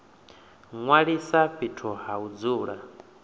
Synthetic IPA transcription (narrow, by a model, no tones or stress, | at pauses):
ŋwaɺisaɸitʰɔɦaud͡zuːɺa